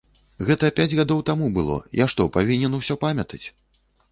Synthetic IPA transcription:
ɣɛt̪ɐpʲad͡zʲɣad̪ɔwt̪amubɨlˠɔ̰jaʂt̪ɔpavʲinʲɛnuwsʲɔpamʲɐt̪ɐt͡sʲ

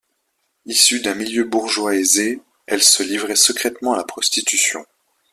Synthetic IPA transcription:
isyd̪ɛ̃miljøbuʁʒwaeze | ɛlsəlivʁɛsəkχɛt̪mɑ̃alapχɔst̪it̪ysjɔ̰̃

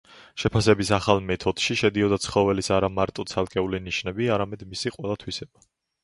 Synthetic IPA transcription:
ʃɛpʰasɛbisaχalˠmɛt̪ʰɔd̪̥ʃiʃɛd̪iɔd̪at̪sχɔvɛlisaɾamaɾt̪ʼɔt̪sʰalˠkʼɛuliniʃnɛbiaɾamɛd̪misiqʼwɛlˠat̪ʰwisɛb̥a

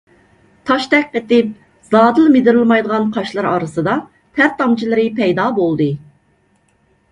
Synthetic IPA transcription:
t̪ʰɑʃt̪ɛk̚ʲqət̪ɪp̚ | z̥ɑːd̪ɨlˠmɪd̪ɪɾɨlˠmɑjd̪əʁɑnqʰɑʃlˠɨɾɑ̰ːɾɨsɨd̪ɑ | t̪ʰæɾt̪ɑmt͡ʃʰilˠɨɾɪpʰɛjd̪ɑːbolˠd̪ɨ

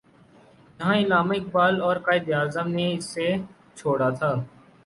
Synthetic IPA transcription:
jɐɦãːɪlaːmaɪk̚baːlɔːɾkaːɪd̪jaːzəmneɪsːe | t͡ʃʰoːɽat̪ʰaː

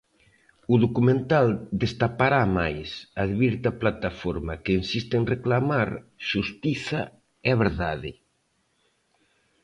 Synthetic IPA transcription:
ʊðokumẽnt̪ald̪est̪apaɾamajsaðβiɾt̪aplat̪afoɾmɐkeːnsist̪ɪenreklamaɾʃust̪iθa | ɛβeɾðaðɪ̰

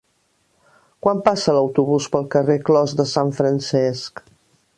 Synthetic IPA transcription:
kwampasələwt̪uβ̞uspəlˠkəreklɔzðəsaɱfɾənsɛsk

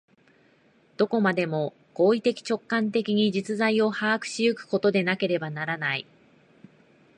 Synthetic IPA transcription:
d̪̥o̞ko̞mad̪e̞mo̞ | ɡ̥o̞ːit̪e̞kʲi̥t͡ɕo̞kːãnt̪e̞kʲiɲ̟iʑit͡sɨzaio̞haːkɯ̟̥ɕijɯ̟kɯ̟̥ko̞t̪o̞d̪e̞nake̞ɾe̞banaɾanai

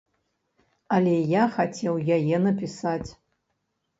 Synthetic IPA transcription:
alʲejaxat͡sʲʰɛwjajɛnɐpʲisat͡sʲ

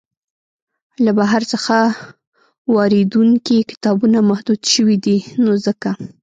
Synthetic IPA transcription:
labaɦaɾt͡səxa | wɑɾed̪uŋkikɪ̥t̪ɑbunamahd̪ud̪ʃəwid̪inozəka

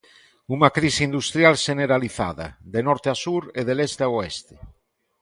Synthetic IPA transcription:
uŋakɾisind̪ust̪ɾjalʃeneɾaliθa̰ða̰ðenɔɾt̪easuɾeðelest̪eaoest̪e̥

